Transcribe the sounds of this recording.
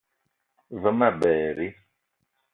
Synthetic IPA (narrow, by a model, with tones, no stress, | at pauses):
və˦ma˦˨bɛː˨ɾi˦